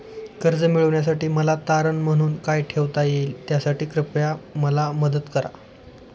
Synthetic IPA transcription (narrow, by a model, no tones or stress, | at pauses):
kəɾd͡zəmiɭəʋɳjas̬aʈiːməlat̪aɾəɳm̤əɽ̃uːnkajʈʰeʋt̪ajeiːlt̪jasaʈiːkɾəpɭjaməlaməd̪ət̪kəɾa̰